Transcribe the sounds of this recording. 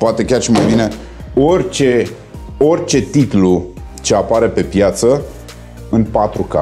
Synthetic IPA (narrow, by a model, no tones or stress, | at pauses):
poat̪e̞kʲarʃimajbine̞ | o̞rʲt͡ʃe̞ | o̞rʲt͡ʃe̞t̪it̪lu | t͡ʃe̞apaɾe̞pe̞pjat̪sə | ɨnpat̪ɾuka̰